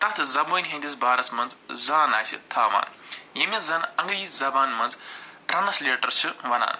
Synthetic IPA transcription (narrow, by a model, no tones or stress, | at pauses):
t̪ɐt̪ʰzɐboːjnʲɦɐ̃nd̪isbaːɾɐsmɐnzzaːnaːjsʰḭt̪ʰaːʋa̰ːnjimizaːnɐŋɡɾizɐbaːnmɐnzrɐnɐsleːʈɐɾt͡ʃʰuʋɐna̰ːn